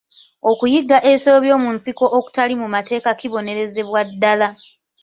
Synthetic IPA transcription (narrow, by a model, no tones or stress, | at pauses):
o̞kujiɡːaʔe̞soβjo̞ːmunsiko̞ʔoku̥talimumate̞ːkakiβo̞ne̞ɾe̞ze̞βwadːala